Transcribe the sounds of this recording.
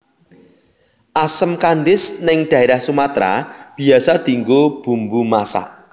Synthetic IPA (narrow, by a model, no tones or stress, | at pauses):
ʔasəmkanɖɪsnɪŋɖ̥a̤eɾahsumat̪ɾa̰b̥i̤asad̪iŋɡob̥ṳmbumasa̰ʔ